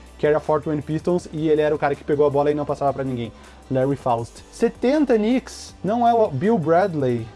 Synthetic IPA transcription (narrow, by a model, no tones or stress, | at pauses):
kɪɛɾɐfɔɾt̪mɐ̃nd̪pist̪õw̃sɪelɪɛɾɐʊkaɾɐkɪ̥peɡowɐbɔlɐɪnɐ̃w̃pasavɐpɾɐnĩŋɡẽj̃ | lɛɹifawst̪set̪ẽnt̪ɐniksnɐ̃w̃ɛbiwbɾɛd̪lej